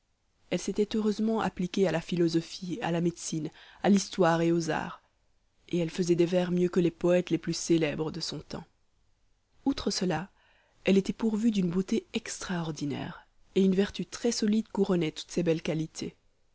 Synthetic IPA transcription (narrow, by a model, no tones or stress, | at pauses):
ɛlset̪ɛt̪øʁøzmɑ̃ʔa̰plikʲealafilɔzɔfia̰lamed̪sinalist̪waʁeoza̰ːʁ | eɛlfəzɛd̪evɛʁmjøkəlepɔɛt̪leplyselɛbʁəd̪əsɔ̃t̪ɑ̰̃ | ut̪χəsəla | ɛlet̪ɛpuʁvyd̪ynbot̪eɛkst̪χaɔʁd̪inɛ̰ːʁ | eynvɛʁt̪yt̪χɛsɔlid̪kuʁɔnɛt̪u̥t̪sebɛlkalit̪ʰe